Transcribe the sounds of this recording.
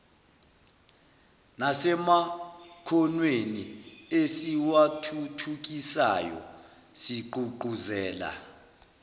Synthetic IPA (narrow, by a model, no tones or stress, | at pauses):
nasɛmakʰɔnweniesiwatʰutʰuk̬ʼisa̰jɔ̰ | siǃuǃuzɛːla̰